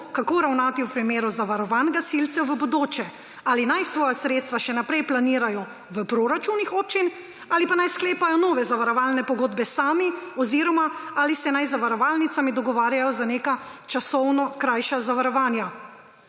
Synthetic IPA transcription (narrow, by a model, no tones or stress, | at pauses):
kakoːɾawnaːt̪iwpɾimeːɾuzaʋaɾɔʋanɡasilt̪sɛwʋəbɔd̪oːt͡ʃɛ | aːlinajsʋɔːjasɾeːt̪st̪ʋaʃɛnapɾɛjplaniːɾajɔ | ʋəpɾoɾat͡ʃunːixoːp̚t͡ʃin | alipanajskleːpajɔnɔːʋɛzaʋaɾɔʋaːlnɛpɔɡoːd̪bɛsaːmiɔziɾɔmaalisɛnajzaʋaɾɔʋalnit̪samid̪ɔɡɔʋaːɾjajɔzaneːkat͡ʃasɔwnɔkɾajʃazaʋaɾɔʋaːnja